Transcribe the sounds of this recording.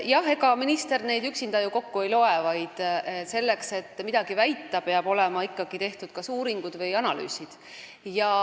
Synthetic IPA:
jɑhe̞ɡɑminist̪e̞rne̞jd̪yksind̪ɑjuko̞kːuejlo̞evɑjd̪̥se̞lːe̞kse̞t̪ːmid̪̥ɑɡ̥ivæjt̪ːˑɑpe̞ɑbo̞le̞mɑikːɑɡ̥it̪e̞ht̪ud̪̥̚kɑsuːɾiŋɡ̥ud̪̥vɤjɑnɑly̰ːsid̪̥ | jɑ

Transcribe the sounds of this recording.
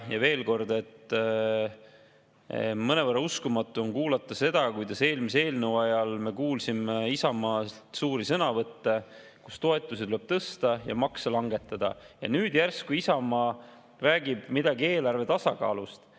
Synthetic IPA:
jɑve̞ːlko̞rd̪e̞t̪ː | mɤnevɤrːɑuskumɑt̪ˑːuo̞nkuːlɑt̪ːˑɑse̞d̪̥ɑkujd̪ɑse̞ːlmis̬ee̞ːlnəwɑjɑlme̞kuːlsimeisɑmɑː | suːɾisɤnɑvɤt̪ːe̞ | kust̪o̞e̞t̪ːˑusit̪ule̞b̥̚t̪ɤst̪ɑjɑ̰mɑksɑlɑŋɡe̞t̪ːˑɑd̪̥ɑ̰jɑ̰nyːd̪̥jærskuisɑmɑː | ræːɡ̥ib̥mid̪ɑɡie̞ːlɑrve̞t̪ɑsɑkɑ̰ːlust̪

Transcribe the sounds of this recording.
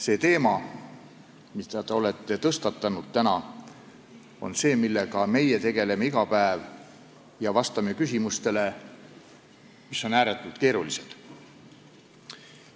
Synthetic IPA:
se̞ːt̪e̞ːmɑ | mid̪̥ɑt̪eo̞le̞t̪ːe̞t̪ɤst̪ɑt̪ːˑɑnud̪̥̚t̪ænɑ | o̞̰nse̞ːmilːe̞ɡɑme̞jet̪e̞ɡ̥e̞le̞meiɡ̥ɑpæev | jɑvɑst̪ɑme̞kysʲimust̪e̞le̞ | misːo̞næːɾet̪ːˑult̪ke̞ːɾulised̪̥

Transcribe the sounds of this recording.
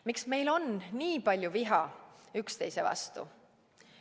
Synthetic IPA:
miksme̞jlo̞nniːpɑlʲjuviɦɑykst̪e̞jsevɑ̰st̪ṵ

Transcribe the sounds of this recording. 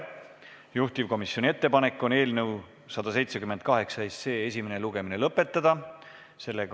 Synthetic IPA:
juht̪ivko̞misːjo̞nʲie̞t̪ːe̞pɑne̞kːˑo̞ne̞ːlnɤw | sɑd̪̥ɑse̞jt̪se̞kymend̪̥̚kɑɦe̞ksɑesse̞ːes̬ʲimeneluɡ̥e̞mine̞lɤpːˑe̞t̪ːˑɑd̪̥ɑ | se̞lːe

